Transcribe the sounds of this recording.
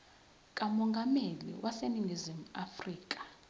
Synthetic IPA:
kʼamɔŋɡʱamelḭwʔaseniŋizimuafriːk̬ʼḁ

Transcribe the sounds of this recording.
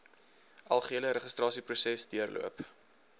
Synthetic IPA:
ʔɐlˠχuiələɾəχəstrɑːsiprusɛsdiərlʔṵəp

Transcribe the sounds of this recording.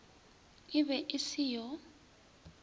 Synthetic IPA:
ɪβɛʔɪsijɔ

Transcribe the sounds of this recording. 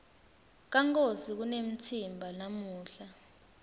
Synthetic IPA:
k̬aŋk̬ʼosik̬unem̩tʰimbʱanamuːɬa

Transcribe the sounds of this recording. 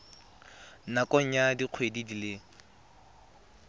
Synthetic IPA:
nakʼɔŋ̩jadiq͡χʰwedidile

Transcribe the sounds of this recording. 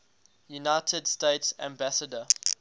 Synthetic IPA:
junaɪtʰədsteɪtsæ̰̃mbæsədə

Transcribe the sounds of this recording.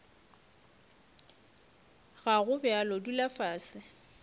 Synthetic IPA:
ɣaɣʊbɛalɔdulafaːsɪ

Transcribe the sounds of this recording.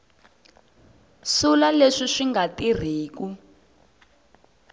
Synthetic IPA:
sulaleʂiʂiŋɡatir̤iːk̬u

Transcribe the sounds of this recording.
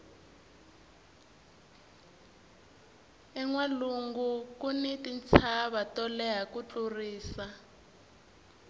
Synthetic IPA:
ɛŋwaluŋɡukunitint͡sʰaβatɔlɛɦakut͡ɬʼuriːsa

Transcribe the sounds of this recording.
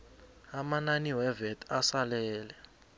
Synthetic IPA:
amananiwɛvɛtʰasalɛːlɛ

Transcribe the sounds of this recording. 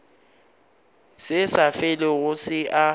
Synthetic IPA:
sɪsafɛlɪɣʊsɪʔa

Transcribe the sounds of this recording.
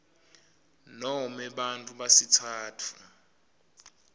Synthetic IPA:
nɔmɛɓantʼuɓasitʰaːtʰu̥

